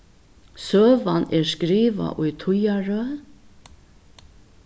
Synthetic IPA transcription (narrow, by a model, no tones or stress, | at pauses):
søːʋɑneːskɾiːʋa̰ʔʊjt̪ʰʊjɑɹøː